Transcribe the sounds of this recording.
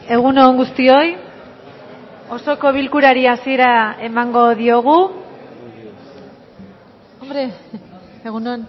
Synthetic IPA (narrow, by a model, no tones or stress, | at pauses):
e̞ɣ̞unoŋɡust̪io̞j | o̞so̞ko̞βilkuɾaɾiasie̞ɾae̞maŋɡo̞ðio̞ɣ̞u | ombɾe | eɣunon